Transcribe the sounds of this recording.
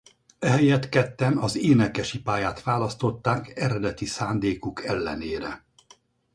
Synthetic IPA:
ɛɦɛjɛt̪kɛt̪ːɛnɒzeːnɛkɛʃipaːjaːt̪ʋaːlɒst̪o̞t̪ːaːkɛɾɛd̪ɛt̪isaːnd̪eːkukɛlːɛ̰neːɾɛ̰

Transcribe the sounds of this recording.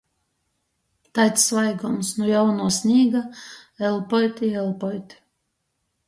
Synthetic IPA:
t̪ajt̪ssvajɡɔmsnujawnuɔsniːɡaɛlˠpɔjt̪ʲiɛlˠpɔjt̪ʲ

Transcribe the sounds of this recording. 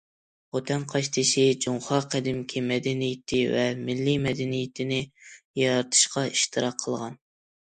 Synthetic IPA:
ot̪ʰɛnqʰɑʃt̪ʰɨʃid͡ʒoŋχɑqʰæd̪ɪmkʲʰimɛd̪ɛnijɪt̪ʰɪvɛmɪlːimɛd̪ɪnijɪt̪ʰɪnɪjɑɾɑt̪ʰɨ̥ʃqɑiʃt̪ʰɨɾɑqʰːəlˠʁɑn

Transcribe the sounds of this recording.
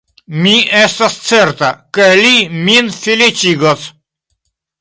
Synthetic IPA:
miest̪ast͡seɾt̪akeliminfilit͡ʃiɡos

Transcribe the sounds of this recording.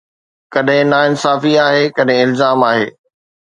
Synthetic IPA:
kɐɗɦɪ̃naɪnsaːfiaːɦekɐɗɦɪ̃ɪlzaːmaːɦḛː

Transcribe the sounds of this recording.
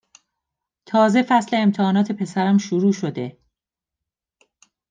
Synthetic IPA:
t̪ʰɒːze̞fæsle̞ːmt̪ʰehɒːnɒːt̪ʰe̞pʰe̞sæɾæmʃuɾuːʃo̞d̪e̞

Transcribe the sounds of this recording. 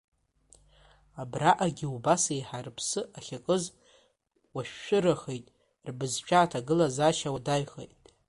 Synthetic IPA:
abraʔaɡʲiubasejħarpʰsɨʔaχʲakʼɨz | waʃᶣːʷʊɾaχejtʼ | rbɨzt͡ʃʷʰʼaːtʰaɡɨlazaʃawadaɥχḛjtʼ

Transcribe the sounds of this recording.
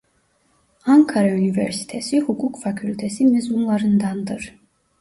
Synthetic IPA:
aŋkʰaɾaynivɛ̰ɾsi̥t̪ʰesihukʰukfacʰylʲt̪ʰesimezumlˠaɾɯnd̪and̪ɯɾ̥

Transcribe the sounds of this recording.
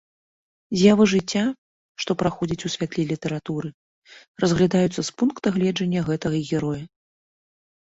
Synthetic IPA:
zʲjavɨʐɨt͡sʲːa | ʂt̪ɔpɾaxɔd͡zʲit͡sʲusʲvʲat̪lʲilʲit̪ɛɾat̪uɾɨ | rɐzɣlʲad̪ajut̪sːɐspunkt̪ɐɣlʲɛd͡ʐɐnʲːɐɣɛt̪ɐɣɐɣʲɛɾɔjɐ

